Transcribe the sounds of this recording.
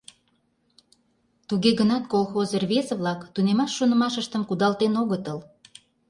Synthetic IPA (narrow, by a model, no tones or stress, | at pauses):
t̪uɣeɣənɑt̪kolˠxozərβeseβlɑkt̪unemɑʃːonə̆mɑʃəʃt̪əmkud̪ɑlt̪enoɣət̪əl